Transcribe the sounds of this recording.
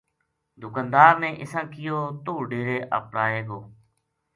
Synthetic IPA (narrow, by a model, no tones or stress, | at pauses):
d̪ʱʊkãːnd̪aːɾnẽːʔɪsãːkɪjoːt̪oːɖeːɾeːʔə̰pɽaːeːɡoː